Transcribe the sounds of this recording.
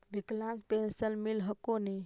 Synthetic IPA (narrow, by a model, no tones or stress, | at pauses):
biklãkpensənmilɦəkoni